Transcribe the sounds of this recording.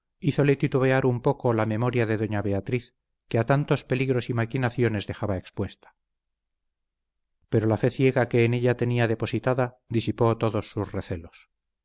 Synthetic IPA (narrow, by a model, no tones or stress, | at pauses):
iθo̞le̞t̪it̪uβeaɾumpo̞ko̞lame̞mo̞ɾjaðe̞ðo̞ɲaβe̞at̪ɾiθ | keat̪ant̪o̞spe̞liɣɾo̞simakinaθjo̞ne̞zðe̞xaβae̞kspwe̞st̪ḁ | pe̞ɾo̞lafe̞θje̞ɣake̞ːne̞ʎat̪e̞niaðe̞po̞sit̪aða | ðisipo̞t̪o̞ðo̞sːuzreθelo̞s